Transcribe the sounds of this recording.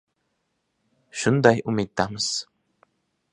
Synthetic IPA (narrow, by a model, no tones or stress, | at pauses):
ʃund̪ajʔumit̪ːaməs